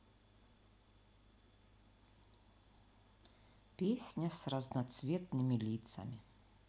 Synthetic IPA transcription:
pʲesʲnʲɐsrɐznat̪svʲɛt̪nɨmʲilʲit̪sɐ̰mʲi

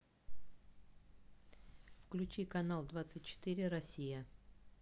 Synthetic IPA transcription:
fklʲʉt͡ɕikɐnalˠd̪vat̪sɨtʲt͡ɕːɪ̥t̪ɪɾʲɪɾɐsʲijə

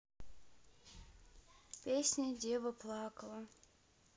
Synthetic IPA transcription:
pʲesʲnʲədʲevəplˠɑkəlˠə

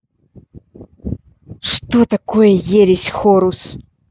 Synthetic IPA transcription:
ʂt̪ot̪ɐkojɛjeɾʲɪsʲxoɾus

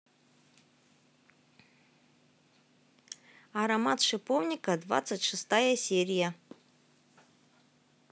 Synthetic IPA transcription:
aɾɐmat̪ʂɨpovnʲɪkɐd̪va̰t̪sɨtʲʂɨst̪ajɐsʲeɾʲɪjɐ

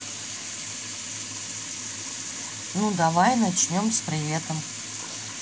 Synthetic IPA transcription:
nud̪ɐvajnɐt͡ɕnʲo̞mspɾʲɪvʲet̪əm

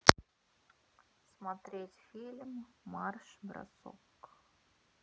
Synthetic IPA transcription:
smɐt̪ɾʲetʲfʲilʲmːɑrʂbɾa̰so̰k

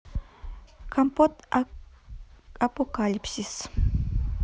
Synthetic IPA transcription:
kʰampot̪ | apokalipsis

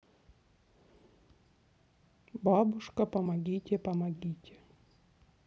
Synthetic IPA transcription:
bɑbʊʂkɐpɐmɐɡʲitʲepɐmɐɡʲitʲe̥

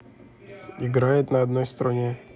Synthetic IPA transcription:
iɡɾajɪt̪nɐɐd̪nɔjst̪ɾɐnʲe

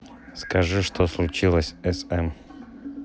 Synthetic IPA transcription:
skɐʐɨʂt̪ʰoslˠʊt͡ɕilˠəsʲɛsɛm

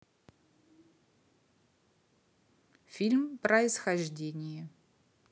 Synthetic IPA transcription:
fʲilʲmpɾəɪsxɐʐdʲenʲɪjə

